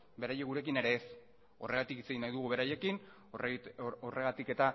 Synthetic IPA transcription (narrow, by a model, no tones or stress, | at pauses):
be̞ɾajeɣuɾe̞k̬ine̞ɾe̞ːs | o̞̰re̞ɣ̞at̪ikit͡se̞ɣ̞inajðuɣuβe̞ɾaje̞kin | ore̞ɣat̪ike̞t̪a